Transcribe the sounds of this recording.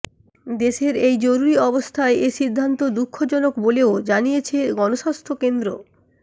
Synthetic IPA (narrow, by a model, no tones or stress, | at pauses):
d̪eʃeɾejd͡ʑoɾuɾiɔbost̪ʰaeʔeʃid̪ʱːant̪od̪ukʰːod͡ʑɔnokboleod͡ʑanijet͡ɕʰeɡɔnoʃast̪ʰokend̪ɾo